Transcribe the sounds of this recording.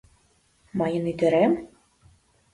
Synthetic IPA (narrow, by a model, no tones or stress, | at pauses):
mɑjɤ̆nyd̪ĕɾem